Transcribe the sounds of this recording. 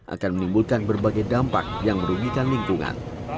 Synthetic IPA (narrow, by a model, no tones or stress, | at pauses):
ʔa̰kanmənimbulkanbərbaɡajdampa̰k̚jaŋməɾuɡikanliŋkuŋa̰n